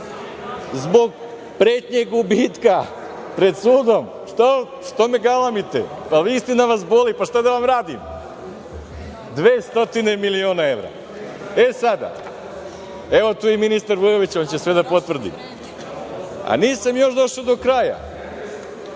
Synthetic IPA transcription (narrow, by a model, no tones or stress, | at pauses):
zbo̞ɡ | pɾeːt̪ɲeɡubiːt̪ka | pɾe̞d̪suːd̪o̞m | ʃt̪a | ʃt̪o̞me̞ɡalˠamit̪ḛ | paʋist̪enaʋasbo̞lipaʃt̪ad̪aʋamɾaːd̪im | d̪ʋeːst̪o̞t̪ine̞milioːnae̞ʋɾa̰ | esad̪a̰ | e̞ʋo̞t̪uːjiminist̪aɾʋuɾoʋit͡ɕo̞nt͡ɕe̞sʋe̞d̪apo̞t̪ʋr̩d̪ḭ | a̰niːsamjo̞ʃd̪o̞ʃod̪o̞kɾaːja̰